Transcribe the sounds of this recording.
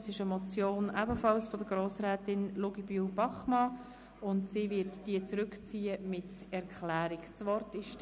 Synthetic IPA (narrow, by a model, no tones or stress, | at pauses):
sɪʃəmɔt͡sjoːnʔæbəfɑlsfɔdəɡ̥ɾoːsɾɛːtɪnluɡibubɑχmɑ | ʊntsiːvɪtd̥iət͡sɾʏkt͡siːəmɪtɛɾkʰlæːɾɪkt͡svɔrtɪʃ